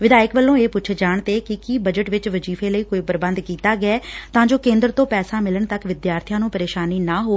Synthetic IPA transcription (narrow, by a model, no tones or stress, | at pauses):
ʋɪd̪aːjəkbəlːõːeːpʊtːt͡ʃʰd͡ʒaːɳt̪eːkɪkiːbəd͡ʒəʈʋɪt͡ʃʋəd͡ʒiːfʰeːləiːkoːiːpəɾbə̃nd̪kiːt̪aːɡɪɛːt̪ãːd͡ʒoːkẽːnd̪ɾət̪õːpɛːsaːmɪləɳt̪əkʋɪd̪jaːɾt̪ʰijãːnũːpəɾeːʃaːniːnaːɦoː